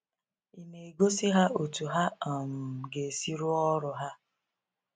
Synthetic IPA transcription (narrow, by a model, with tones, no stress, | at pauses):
i˨ne˨e˨ɡo˦si˦ɦa˦ʔo˨tu˨ɦa˦a˨m̩˨ɡe˨si˦ɾu˦ɔ˦ɾʊ˨ɦa˦